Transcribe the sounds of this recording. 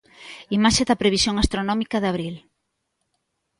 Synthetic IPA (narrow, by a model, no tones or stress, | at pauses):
imaʃeðɐpɾeβisjoŋast̪ɾonɔmikɐðaβɾil